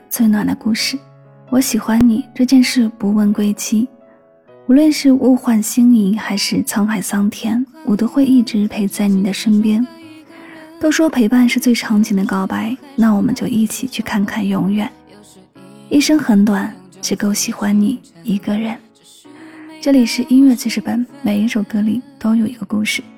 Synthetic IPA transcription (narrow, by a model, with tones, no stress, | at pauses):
t͡swe˥˩ɪnwa˨˩d̪ə˦ku˥˧ʂɻ̩˥˩ | wɔ˧˥ɕi˨˩xwa˥nni˨˩ʈ͡ʂɤ˥˧t͡ɕjɛ˥˧nʂɻ̩˥˩pu˧˥wə˥˧nkwe˥ɪt͡ɕʰi˥ | u˧˥lwə˥˧nʂɻ̩˥˧u˥˧xwa˥˩nɕi˥ŋi˧˥xa˧˥ɪʂɻ̩˥˩t͡sʰɑ˥ŋxa˨˩ɪsɑ˥ŋt̪ʰjɛ˥nwʔɔ˨˩t̪o˥xwe˥˧ɪi˥˩ʈ͡ʂɻ̩˧˥pʰe˧˥ɪt͡sa˥˩ɪni˨˩d̪ə˦ʂə˥npjɛ˥n | t̪o˥ʊʂwɔ˥pʰe˧˥ɪpa˥˧nʂɻ̩˥˧t͡swe˥˩ɪʈ͡ʂʰɑ˧˥ŋt͡ɕi˧˥ŋd̪ə˧kɑ˥ʊpa˥ɪna˥˩wɔ˨˩mə̰˦nt͡ɕjo˥˧ʊʔi˥˩t͡ɕʰi˨˩t͡ɕʰy˥˧kʰa˥˧nkʰa˥˩njʊ˧˥ŋɥɛ˥˨˩n | i˥˧ʂə˥ŋxə˧˥nt̪wa˨˩˦nʈ͡ʂɻ̩˧˥ko˥˩ʊɕi˨˩xwa˥nni˨˩ | i˧˥ɡə˧ɻə˧˥n | ʈ͡ʂɤ˥˩li˨˩ʂɻ̩˥˩ʔi˥nɥɛ˥˩t͡ɕʰi˧˥ʂɻ̩˧˥pə˨˩nme˨˩ɪi˥ʂo˨˩ʊkɤ˥li˨˩t̪o˥ʊjo˨˩ʊi˧˥ɡ̥ə˧ku˥˧ʂɻ̩˥˩